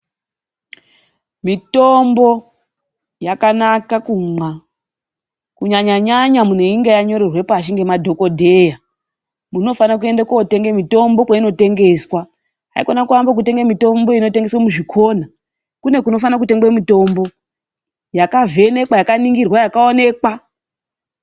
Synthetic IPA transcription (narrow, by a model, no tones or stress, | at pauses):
mito̞mbo̞ | jakanakakumwa | kuɲaɲaɲaɲamune̞iŋɡejaɲo̞ɾerwe̞paʃiŋɡe̞madʱo̞ko̞dʱe̞ja | muno̞fanak̬ue̞ndekaote̞ŋɡemito̞mbo̞kwaino̞te̞ŋɡe̞swa | ɦa̰ikonakuambak̬ute̞ŋɡemito̞mbo̞ino̞te̞ŋɡe̞swamuʐikʰo̞na | kune̞kuno̞fanak̬ute̞ŋɡwemito̞mbo̞ | jakave̞ne̞kwajakaniŋɡirwajakaone̞ːkwa